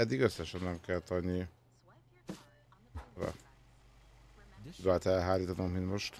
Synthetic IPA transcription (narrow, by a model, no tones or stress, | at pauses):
ɛd̪ːiɡøsːɛʃɛnːɛmkɛlt̪ɒɲːi | ɾɒ̰ | ud̪aːt̪ɛlɦaːliːt̪ɒnommint̪mo̞ʃt̪